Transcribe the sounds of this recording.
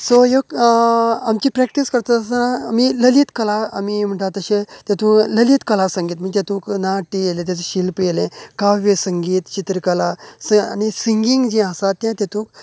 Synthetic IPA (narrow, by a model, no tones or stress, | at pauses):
soɦek | amt͡ɕipɾɛk̚ʈiskəɾt̪at̪əsənamiləliːt̪kəlaa̰mim̤əɳʈ̪at̪əɕẽt̪jat̪ũːləliːt̪kəlasəŋɡiːt̪m̤əɡt̪jet̪ũːknaʈːijelẽt̪jat͡seɕilpjelẽkaʋesəŋɡiːt̪t͡ɕit̪ɾəkəlasa̰nisiŋɡiŋɡd͡ʑĩasat̪ːjãt̪jat̪ũːk